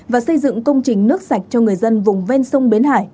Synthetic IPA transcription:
vaː˨˩sə˧jzɨ̰˧˨ŋkə˧wŋ͡mt͡ɕï˨˩ŋ̟nɨ˦˥ək̚sa˨˩jk̟̚t͡ɕɔ˧ŋɨ˨˩əjzə˧nvʊ˨˩ŋ͡mve˧nsə˧wŋ͡mɓi˨˦nha̰ː˧˩j

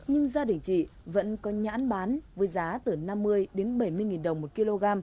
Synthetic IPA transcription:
ɲɨ˧ŋzaː˧ɗï˨˧˩ŋ̟t͡ɕḭ˧˨və̰˧˥nkɔ˨˦ɲa̰ː˧˥nɓaː˨˦nvə˨˦jzaː˨˦t̪ɨ˨˩na˧mːɨ˧əjɗe˨˦nɓə˧˩jmɨ˧əjŋi˨˩nɗə˨˩wŋ͡mmo˨˩t̚ki˧lo˧ɣaː˧m

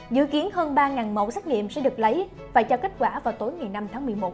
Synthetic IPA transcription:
zɨ̰˧˨ki˨˦ənhəː˧nɓaː˧ŋaː˨˩nmo̰˧˩˨sa˦˥k̚ŋḭ˧˨əmsɛ̰˧˥ɗɨ˨˩ək̚lə˨˦j | faː˧˩jt͡ɕɔ˧ka˦˥t̚kwaː˧˩vaː˨˩wt̪o˨˦jŋa˨˩jna˧mt̪ʰaː˨˦ŋmɨ˨˩əjmo˨˩t̚

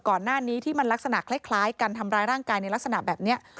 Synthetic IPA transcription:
kɔː˨˩nːaː˥˩niː˦˥t̪ʰiː˥˩ma˧nla˦˥k̚sa˧na˨˩kʰla˦˥˩kʰlaː˦˥jka˧nt̪ʰa˧mɾaː˧jɾaː˥˩ŋkaː˧jna˧jla˦˥k̚sa˧na˨˩bɛː˨˩p̚ni˦˥ɐ

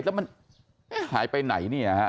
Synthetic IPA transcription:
lɛ˦˥wma˧n | ma˥˩haː˩˦jpa˧jna̰˩˦jniː˥˩ha˦˥

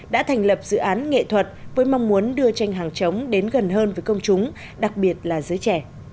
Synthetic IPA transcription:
ɗa̰ː˧˥t̪ʰɛ˨˩ŋ̟lə˨˩p̚z̥ɨ̰˧˨ʔaː˨˦nŋḛ˧˨t̪ʰwə˨˩t̚vəː˨˦jma˧wŋ͡mmu˨˦ənɗɨ˧ət͡ɕa˧jŋ̟ɦaː˨˩ŋt͡ɕə˨˦wŋ͡mɗe˨˦nɣə˨˩nɦəː˧nvəː˨˦jkə˧wŋ͡mt͡ɕʊ˨˦ŋ͡m | ɗa˨˩k̚ɓi˨˩ət̚laː˨˩zəː˨˦jt͡ɕɛ˧˩

